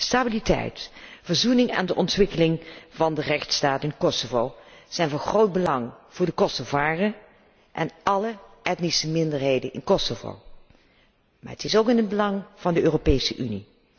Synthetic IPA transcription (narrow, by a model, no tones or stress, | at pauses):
staːbilitɛ̰jtvəɹzunɪŋa̰ːndəʔɔntʋɪkəlɪŋvɑndərɛχtstaːtɪnkɔsovowz̥ɛjnvɑnχrowd̚bəlɑŋv̥ʊːɹdəkɔsovaːrə | ʔɛnʔɑləɛtnisəmɪndəɹɦejdənɪ̰nkɔsovo̰w | maːɹətɪsowkɪnɦəd̚bəlɑŋv̥ɑndəøːropejsəʔyni